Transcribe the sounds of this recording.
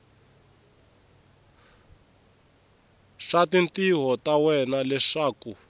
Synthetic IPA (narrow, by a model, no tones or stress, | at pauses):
ʂatintiɦɔtawɛnalɛʂaːku